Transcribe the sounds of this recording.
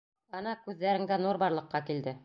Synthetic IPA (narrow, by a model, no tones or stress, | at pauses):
ɤnɑkʉðːæɾɘ̆ŋɡænuɾbɑɾlˠɤ̆qːɑkild̪ɘ